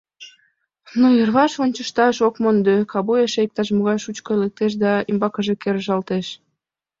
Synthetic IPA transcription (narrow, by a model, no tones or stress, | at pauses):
nuərβɑʃonʲt͡ɕəʃt̪ɑʃokmond̪økɑβujeʃejk̚t̪ɑʃmoɣɑjʃut͡ɕkoelek̚t̪eʃ̬d̪ɑimbɑkəʒekeɾəʒɑlt̪eʃ